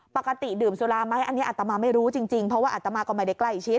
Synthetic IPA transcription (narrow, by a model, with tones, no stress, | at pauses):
pa˨˩ka˧t̪i˨˩dɯː˨˩msu˧laː˧ma˦˥jʔa˧nːi˦˥ʔaː˨˩t̪ta˧maː˧ma˥˩jɾuː˦˥t͡ɕi˧ŋt͡ɕi˧ŋpʰɾɔ˦˥waː˥˩aː˨˩t̪ta˧maː˧kɔ˧˩ma˥˩jda˥˩jkla˥˩jt͡ɕʰi˦˥t̪̚